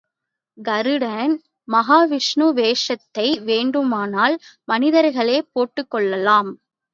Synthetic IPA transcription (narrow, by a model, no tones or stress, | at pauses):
ɡɐɾɯɽɐn | mɐɦaːʋɪʂɳuʋeːʂɐt̪ːɐɪʋeːɳɖɯmaːnaːlmɐnɪðɐɾɣɐɭeːpoːʈːɯkːɔɭːɐlaːm